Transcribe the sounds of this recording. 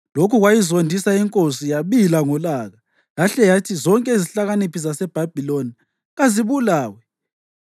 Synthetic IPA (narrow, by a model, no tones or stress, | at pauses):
lokʰuɣwajizondʱisaiŋkʼosijaβilaŋɔlaɣa | laɬɛjatʰizɔŋkʼɛiziɬaɣanipʰisasɛb̥ʱab̥ʱiloni | ɣaziβulaːwɛ